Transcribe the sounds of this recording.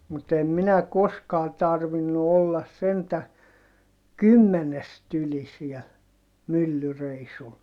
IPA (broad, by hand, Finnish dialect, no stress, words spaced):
mut em minæ koskɑː tɑrʋinːu olːɑs sentæ kymːenest yli siɛl mylːyreisul